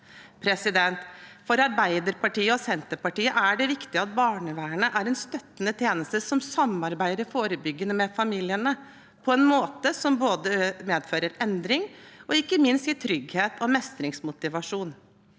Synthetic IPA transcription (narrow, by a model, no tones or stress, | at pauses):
pʰɾɛsɪd̪ɛnt̪fɔɾɑɾbæɪd̪əɾpɑʈiːəɔsɛnt̪əpɑʈiːəʔæɖɛʋɪkt̪ɪəɑt̪̚bɑːɳəʋæːəɳəʔæɾɛnst̪œt̪ːənət̪ʰjeːnəst̪əsɔmsɑmːɑɾbæɪd̪əɾfoːɾəbʏɡːənəmɛfɑmiːlɪənə | pʰɔɛnmoːt̪əsɔmboːd̪əmeːd̪føːɾəɾɛnd̪ɾɪŋɔɪkːəmɪnst̪ɪt̪ʰɾʏɡheːt̪ʰɔmɛst̪ɾɪŋsmʊt̪ɪʋɑʂuːn